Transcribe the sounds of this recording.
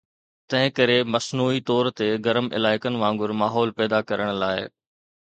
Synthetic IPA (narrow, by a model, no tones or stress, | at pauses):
t̪ɐ̃ɦɪ̃kɐɾemɐsnuːit̪ɔːɾt̪eɡɐɾəmɪ̰laːɪkənɪ̆ʋãːŋɡʊɾmaːɦɔːlpɛːd̪akɐɾəɽ̃laːɪ